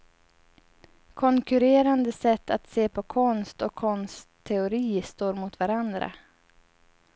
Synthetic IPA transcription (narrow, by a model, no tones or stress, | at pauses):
kʰɔŋkɵɾeːɾand̪əsɛt̪ʰːat̪seːpʰɔkʰɔnst̪ɔkʰːɔnst̪ʰːɛʊɾiːst̪oːɾmʊt̪vaɾand̪ɾa̰